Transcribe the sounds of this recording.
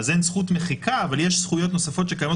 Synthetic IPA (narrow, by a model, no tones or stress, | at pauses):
zensχut̪meχikaːvaljeʃsχujo̞t̪no̞safo̞t̪ʃe̞kajamo